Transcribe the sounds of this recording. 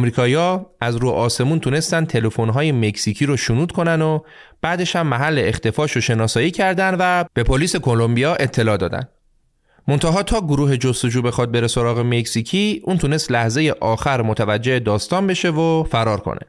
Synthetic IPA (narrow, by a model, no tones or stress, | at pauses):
mɾiːkʰɒːiɒːæzɾuːʔɒːse̞muːnt̪ʰune̞st̪ænd̪t̪ʰe̞le̞fo̞nɦɒːje̞me̞csicʰiːɾoʃunuːd̪̥̚kʰo̞nænd̪o | b̥æːd̪e̞ʃhæmːæɦælːe̞ext̪e̞fɒːʃoʃe̞nɒːsɒːjiːcʰæɾd̪ænvæb̥e̞pʰoliːse̞kʰo̞lo̞mbijɒːʔe̞t̪ʰːe̞lɒːd̪ɒ̰ːd̪æ̰nd̪ | mo̞nt̪ʰæɦɒːt̪ʰɒːɡoɾuːɦe̞d͡ʒost̪o̞d͡ʒuːbe̞xɒd̪̚be̞ɾe̞so̞ɾɒːɣe̞me̞csicʰiːuːnt̪ʰunest̪læhze̞je̞ʔɒːxæɾmot̪ʰævæd͡ʒːeʔed̪ɒːst̪ɒːnbe̞ʃe̞vofæɾɒːɾkʰo̰nḛ